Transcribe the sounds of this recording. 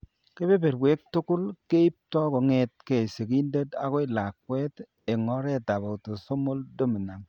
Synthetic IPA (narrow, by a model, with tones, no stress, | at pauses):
ke˦be˦be˨ɾwe˦k̚tʊ˦kʊ˦lke˦i˦p̚tɔ˦kɔ˨ŋɛt̚ke˨se˨ki˦nde˦ta˦ko˦i˨la˨k̚wɛ˦t | e˨ŋɔ˦ɾɛ˦ta˨ba˨to˨so˦mo˦ldo˦mi˨na˨ŋ